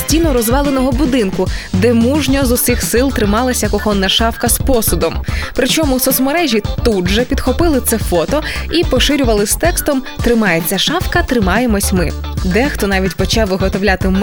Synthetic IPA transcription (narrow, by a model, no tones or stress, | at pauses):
sʲtʲinɔɾɔzʋɑlˠenɔɦɔbʊd̪ɪnkʊd̪ɛmuʒnʲɔzʊsixsɪlˠt̪ɾɪmɑlˠɐsʲɐkɔxɔnːɐʃɑwkɐspɔsʊd̪ɔmpɾɪt͡ʃɔmʊsɔsmɔɾɛʒʲit̪udʒɛpʲid̪xɔpɪlˠɪt̪sɛfɔt̪ɔipɔʃɪɾʲʊʋɐlˠɪst̪ɛkst̪ɔm | t̪ɾɪmɑjet͡sʲːɐʃɑwkɐt̪ɾɪmɑjemɔsʲmɪ | d̪ɛxt̪ɔnɑʋʲitʲpɔt͡ʃɑwʋɪɦɔt̪ɔwlʲat̪ɪm